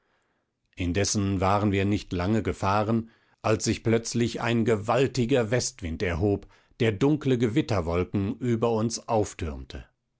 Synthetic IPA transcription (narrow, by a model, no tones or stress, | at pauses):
ʔɪndɛsn̩vaːʁənviːɐnɪçtlaŋəɡəfaːʁən | ʔalsz̥ɪçplœt͡slɪça̰ɪnɡəvaltɪɡɐvɛstv̥ɪntɛɐɦoːp | d̥eːɐdʊŋkləɡəvɪtɐvɔlkŋ̩ʔyːbɐʊnsʔaʊftʰʏɐmtʰə